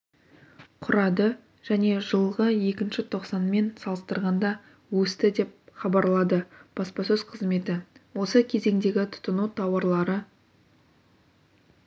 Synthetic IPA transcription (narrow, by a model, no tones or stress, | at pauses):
qʰʊɾɑd̪ə | ʒ̥æne̞ʒəlˠʁəje̞kʲɪnʃɪt̪ʰo̞qsɑnme̞nsɑlˠəst̪əɾʁɑnd̪ɑ | wɵst̪ɪd̪e̞p̚χɑbɑɾlˠɑd̪əb̥ɑspɑsɵz̥qʰəzme̞t̪ɪwo̞səkʲʰe̞ze̞ŋd̪e̞ɡʲɪt̪ʰʊ̥t̪ənut̪ʰɑwɑɾlˠɑɾə